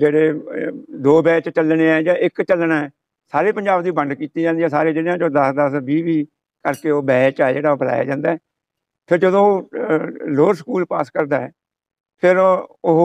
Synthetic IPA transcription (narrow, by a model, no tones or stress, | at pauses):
d͡ʒeːɽeː | d̪oːbɛːt͡ʃt͡ʃəlneːɛːd͡ʒãːʔɪkt͡ʃəlnaɛː | saːɾeːpəɲd͡ʒaːbd̪iːbəɳɖkiːt̪iːd͡ʒaːnd̪iːɛ̃ːsaːɾeːd͡ʒɪɽjãːt͡ʃõːd̪əsd̪əsbiːʋiː | kəɾkeːoːbɛːt͡ʃːɛd͡ʒeːɽaːobəla̰ːja̰ːd͡ʒãːnd̪aːɛː | pʰɪɾd͡ʒəd̪õːoː | loːɾsəkuːlpaːskəɾd̪aːɛː | pʰɪɾʊɦ